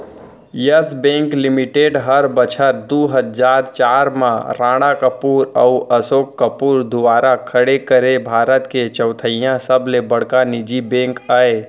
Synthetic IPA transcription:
jəsbẽːŋklɪmiʈeːɖɦəɾbət͡ʃʰəɾd̪uɦəd͡ʒaːɾt͡ʃaːɾmãɾãːɽ̃akəpuːɾə̰uʔəsoːkːəpuːɾd̪ʊʋaːɾakʰəɽekəɾebʱaːɾət̪ket͡ʃəʊt̪ʰəijãsəblebəɽkanid͡ʒibẽːŋkaːe

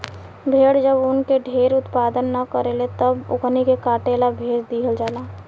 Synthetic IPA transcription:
bʱeːɽd͡ʒəbʊnkeɖʱeːɾʊt̪paːd̪ənːɐkəɾelet̪əbʊ̰ɡnikekaːʈeːlabʱeːd͡ʒd̪iːɦəld͡ʒaːlaː

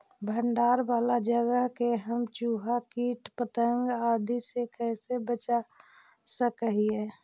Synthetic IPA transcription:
bʱəɳɖaːɾbaːlad͡ʒəɡəɦkeɦəmt͡ʃuːɦakiʈpət̪əŋɡaːd̪ʱisekɛːsebət͡ʃa | səkəɦie

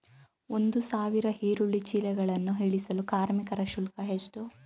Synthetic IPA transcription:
o̞nd̪usaːʋiɾɐɦiːɾuɭːit͡ʃilɛɡɐɭɐnːuɦiɭisɐlukaːɾmikɐɾɐʃulkɐɦest̪u

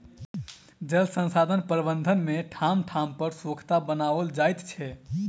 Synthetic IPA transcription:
d͡ʒəlsə̃nsad̪ʱənpəɾbənd̪ʱənmeʈʰamʈʰampəɾsokʰt̪abənaʋəld͡ʒajt̪t͡ʃʰɛ

